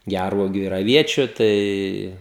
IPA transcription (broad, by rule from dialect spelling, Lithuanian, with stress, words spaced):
ˈɡʲærʋuɔɡʲʊ ɪr ɐˈʋʲiɛt͡ʃʲʊ ˈtɐɪ